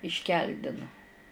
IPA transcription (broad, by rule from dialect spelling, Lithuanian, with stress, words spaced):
ɪʃʲˈkʲɛlʲdʲɪnʊ